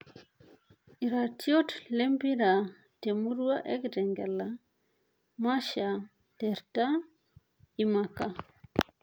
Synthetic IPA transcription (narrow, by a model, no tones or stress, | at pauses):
ʔiɾatiɔtlembiɾa | temuɾuwaʔɛ̰kdɛŋɡɛlːa | maʃa | dɛɾta | imaka